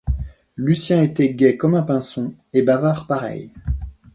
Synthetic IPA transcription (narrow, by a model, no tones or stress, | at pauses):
lysjɛ̃et̪ɛɡʲɛkɔmɛ̃pɛ̃sɔ̃ | ebavaʁpaʁɛ̰j